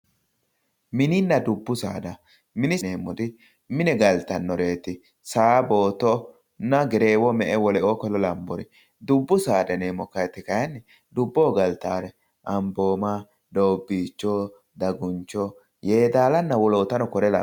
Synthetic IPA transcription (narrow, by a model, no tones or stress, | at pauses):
mɪnɪnːɐd̪ʊbːʊsa̰ːd̪ɐ | mɪnɪneːmːɔd̪ɪ | mɪnɛɡɐlt̪ɐnːɔɾe̞ːt̪ɪ | saːbo̞ːt̪ɔ | nːɐɡɛɾe̞ːwɔmɛʔɛwɔlɛʔoːkɔlɔlɐmbɔɾɪ | d̪ʊbːʊsaːd̪ɐneːmːɔkɐjt̪ːɪkɐjɐnːɪ | d̪ʊbːoːɡɐlt̪aːɾɛ | ʔɐmbo̞ːmɐ | d̪oːbːiːt͡ʃːɔ | d̪ɐɡʊnt͡ʃːɔ | je̞ːd̪aːlɐnːɐwɔloːt̪ɐnɔkɔɾɛlɐ̰